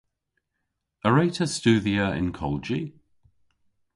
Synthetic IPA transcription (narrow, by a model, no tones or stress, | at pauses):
əɹeɪtʰəst͡ʃʉːðiəɪ̰̃nkʰɔ̰lˠd͡ʒi